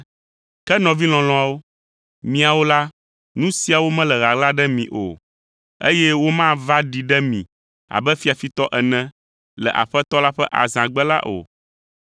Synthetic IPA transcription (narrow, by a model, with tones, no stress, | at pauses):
kɛ˦nɔ̃˨vi˦l̃ɔ̃˨l̃ɔ̃˨a˨wo˦ | mĩ˨a˨wo˦la˦ | nũ˦si˨a˨wo˦mɛ̃˦lɛ˨ɣa˨ɡla˦ɖɛ˦mĩ˨ʔo̰˨ | ḛ˦jɛ˦wo˦mã˦va˦ɖi˨ɖɛ˦mĩ˨ | a̰˨bɛ˦fi˦a˨fi˦t̪ɔ˦ʔɛ˨nɛ̃˨ | lɛ̰˨ʔa̰˨ɸɛ˦t̪ɔ˦la˦ɸɛ˦ʔa̰˨zã˨ɡ͡bɛ˦la̰˦ʔo̰˨